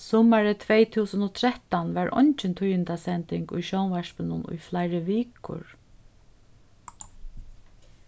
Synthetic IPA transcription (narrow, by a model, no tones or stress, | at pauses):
sɔːmaɹət̪ʰʋeːjt̪ʰuːsənɔt̪ʰɾɛt̪anʋaɹʔɔ̰ɲt͡ʃɪnt̪ʰujɪnt̪asɛnt̪ɪŋkʊ̰jʃɔwnʋɛʂpɪnʊnʊ̰jflaɪɹəʋiːkʊ̰ɹ